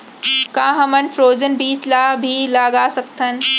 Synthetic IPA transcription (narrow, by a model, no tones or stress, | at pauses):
kãːɦɐmənɪfɾoːd͡ʑənbiːslaːbʱilaːɡaːsɐkt̪ʰənɪ̆